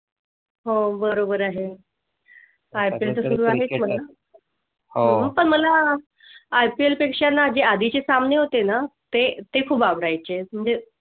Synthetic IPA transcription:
ɦobəɾobəɾaɦe | ajpielt̪əsuɾuːaɦet͡sm̤əla | ɦopəɳm̤əlaː | jpielpekʂanːad͡ʑead̪ʱit͡ɕesamneɦot̪enat̪et̪ekʰuːbabɾajt͡ɕem̤əɳd͡ze

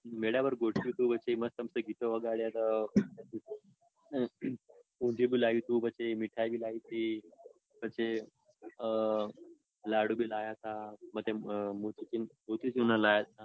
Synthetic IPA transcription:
meɭjabəɾɡoʈʰit̪ubət͡ɕeməst̪əmsəɡʱit̪oʋəɡaɽjat̪ət̪i | uɲd͡ʑibilaɦit̪uːbət͡ʃemiʈʰajbilaɦit̪i | bət͡ʃe | laɽubilajat̪amət̪emut̪it͡ʃinmot̪it͡sunalajat̪a

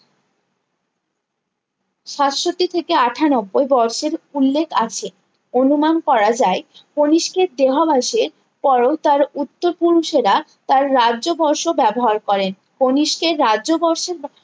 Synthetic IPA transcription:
ʃat̪ʃot̪ːit̪ʰekeaʈʰanɔbːojbɔɾʃeɾulːekʰat͡ɕʰe | onumankɔɾad͡ʑaeponiʃkeɾd̪eɦobʱaʃeɾ | pɔɾot̪aɾut̪ːoɾpuɾuʃeɾat̪aɾːaʑobɔɾʃobɛboɦaɾkɔɾen | poniʃkeɾːadʑobɔɾʃeɾ

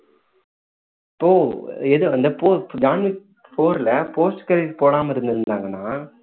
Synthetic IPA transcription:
ɪpːoːɛðɯɐnd̪ɐpoːd͡ʒaːnʋɪ | poːɾlɐpoːsʈkɐɾɐpoːɽaːmɐɪɾɯnd̪ɪɾɯnd̪aːŋɡɐnːaː

